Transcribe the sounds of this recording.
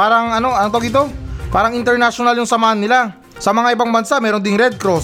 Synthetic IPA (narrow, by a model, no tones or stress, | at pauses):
paːɾɐŋɐno̞ʔɐnot̪oɡɪt̪̬o̞paːɾɐŋɪnt̪ɛɾnaʃonaljʊŋsɐmaːhɐnːɪla | sɐmɐŋaʔɪbaŋbɐnsamɛːɾond̪ɪŋɾɛd̪̚kɾos